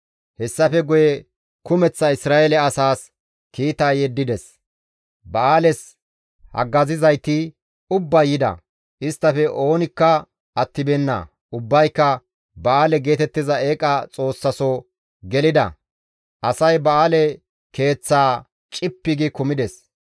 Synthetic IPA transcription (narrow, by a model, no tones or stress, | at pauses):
hɛsːɐfɛɡʊjɛ | kʊmɛt͡sːɐɪsɾaːelɛɐsaːs | kiːt̪aːjɛd̪ːɪd̪ɛs | bɐaːlɛs | hɐ̰ɡːɐzɪzɐjt̪ɪ | ʊbːɐjɪd̪ɐ̰ | ʔɪst̪ːɐfɛʔo̞ːnɪkːɐ | ɐt̪ːɪbɛnːɐ̰ | ʊbːɐjkːɐ | bɐaːlɛɡe̞ːt̪ɛt̪ːɪzɐeːkʼɐt͡sʼo̞ːsːɐsɔ | ɡɛlɪd̪ɐ̰ | ʔɐsɐjbɐaːlɛ | ke̞ːt͡sːaː | t͡ʃʼɪpːɪɡɪkʊmɪd̪ɛs